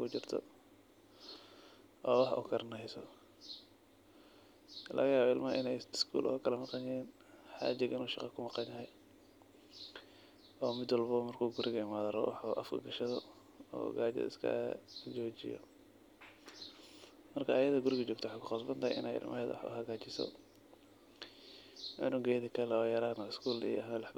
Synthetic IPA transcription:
kut͡ʃɪrt̪ʰɔ̰ | ʔɔːwɑħʔʊ̰kʰɐrnɛjsɔ | lʔɐ̰ɣɐjaːβɔɪlmɐʔɪnɛjɪskʰṵːlʔɔkʰɐlɐmɑqɑɲɛːn | ħa̰ːd͡ʒɪɣɪnuːʃɑqɑkʰʊmɑqɑnjɐɦɛj | ɔːmɪd̪wɑlbɐmɐrkʰuːɡʊɾɪɣɐɪmaːðɐɾɔ̰wɑħʔɐ̰fkʰɐ̰ɡɐʃɐðɔ | ɔ̰ːɡaːt͡ʃɛ̰ðɪ̰skʰɐ̰d͡ʒɔːt͡ʃɪ̰jɔ̰ | mɐrkʰɐːjɐðɐɡʊɾɪɣɐt͡ʃɔːkt̪ʰwɑħɑjkʰʊqɑsbɐnt̪ʰɐhɛjʔɪ̰nɛjɪ̰lmʔɐ̰ɦɛːd̪w̰ħʔʊ̰ɦɐɣaːt͡ʃɪsɔ̰ | ʔʊnʊɡɛːjðɐkʰɐlɛɔːjɐɾaːnɐɪskʰuːlḭjɔ̰ɦmlɛħb

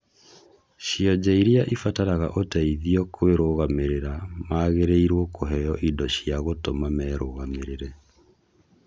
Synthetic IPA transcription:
ɕiɔd͡ʑɛiɾiaʔifataɾaɣa̰ʔotaiðiɔkʰoeɾoɣameɾeɾamaːɣeɾeiɾwɔkoɦɛjɔʔidɔɕiaɣotomamɛːɾoɣameɾeɾɛ

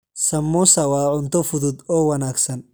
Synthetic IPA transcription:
sɐmːuːsɐwɑːʕʊnt̪ʰɔfʊðʊd̪ɔːwɐnaːɡsɐn

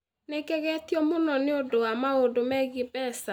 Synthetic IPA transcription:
nekɛɣɛtjɔmonɔneodowamaodomɛɡɪbɛsa

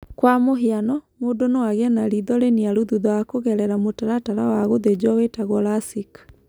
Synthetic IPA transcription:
kwamoɦianɔmodonoaɣɛnaɾiðɔɾeniaɾuðuðɔakoɣɛɾɛɾamotaɾataɾawaɣoðed͡ʒwɔwetaɣɔlasikḁ

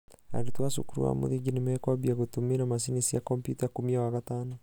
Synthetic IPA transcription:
a̰ɾutuwasṵkuɾṵwa̰mṵðiɡinimɛkabiaɣotuminamasinisiakompjutakumiawaɣataːno

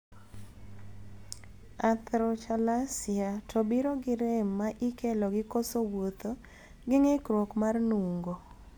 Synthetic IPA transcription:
at̪ɾɔt͡ʃalasɪatʰobiɾoɡɪɾɪmːaʔikɛlɔɡɪkosowot̪o | ɡɪŋekɾwokmarnuŋɡo

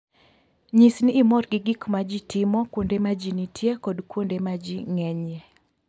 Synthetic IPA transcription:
ɲisniːmɔrɡɪɡɪkmad͡ʒitɪmɔkwondemad͡ʒinitʰjekɔdkwondemad͡ʒiŋɛɲɛ

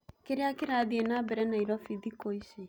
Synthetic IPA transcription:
keɾeakeɾaðienabɛɾɛnaiɾɔfidikoise

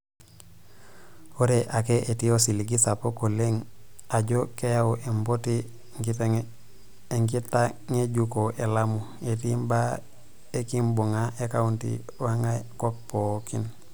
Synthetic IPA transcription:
oɾeʔakeʔetijosiliɡisapokoleŋaɟokejaoʔemboti | ŋi | eŋɡitaŋeɟukoʔelamu | etimba | ekimbuŋaʔekauntḭ | waŋakok̚pokḭn

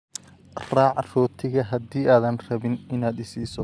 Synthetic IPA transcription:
raːʕrɔːt̪ʰɪɣɐɦɐd̪iːʔaːðɐnrɐβɪnɪnaːd̪ɪsiːsɔ

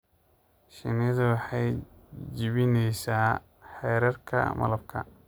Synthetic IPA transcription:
ʃɪ̰nɪɐðɐwɑħɑjd͡ʒɪβɪnɛjsaː | ħɛːɾɐrkʰɐ̰mɐ̰lɐb̚kʰɐ̰

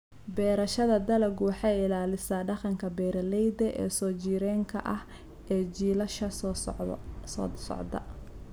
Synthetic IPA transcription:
bɛːɾɐʃɐðɐd̪ɐlɐɡwɑħɑjɪlaːlɪsaːɖɑqɑŋkʰɐbɛːɾɐlɛjd̪ɛʔɛ̰ːsɔːt͡ʃiːɾɛːŋkʰɐʔɐh | ʔɛːd͡ʒiːlɐʃɐ | sɔ̰ːsɔ̰ʕd̪ɐ̰

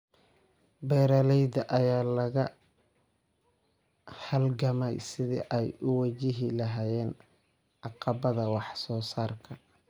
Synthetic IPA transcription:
bɛːɾɐlɛjd̪ɐʔɐjaːlɐɣɐ | hɐlɡɐmɛjsɪðḭʔɛjʊwɐt͡ʃɪɦɪlɐɦaːjɛːn | ʔɑqɑbɐðɐwɑħsɔːsaːrkʰɐ

